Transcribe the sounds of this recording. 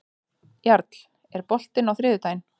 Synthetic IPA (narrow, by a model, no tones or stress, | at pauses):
jaɾt̪l̥ | ɛɾpɔl̥t̪ɪnawθɾɪːðʏt̪aːjn